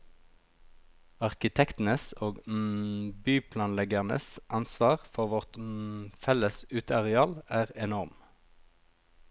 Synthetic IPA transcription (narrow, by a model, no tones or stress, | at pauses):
ɑʁkɪt̪ʰɛkt̪n̩əsoːɡ | byːpʰlɑːnlɛɡəʁnə̰sʔɑnsʋɑːʁfɔʁʋɔʁt̪fɛləsʉːt̪ʰəɑʁɛɑːlæːʁɛnɔʁm